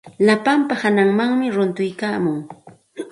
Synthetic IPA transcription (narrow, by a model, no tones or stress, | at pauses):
lapampahanaŋmaŋmɪɾʊnt̪ʊjkaːmʊŋ